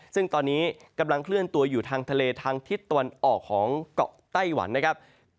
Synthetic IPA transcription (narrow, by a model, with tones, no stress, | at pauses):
sɯ˥˩ŋt̪ɔː˧nːiː˦˥ka˧mla˧ŋkʰlɯ˥˩ənt̪u˧ɐjuː˨˩t̪ʰaː˧ŋt̪ʰa˧leː˧t̪ʰaː˧ŋt̪ʰi˦˥t̪ːa˧wa˧nʔɔː˨˩kʰːɔː˩˦ŋkɔ̰˨˩k̚t̪a˥˩jwa̰˩˦nːa˥kʰa˦˥p̚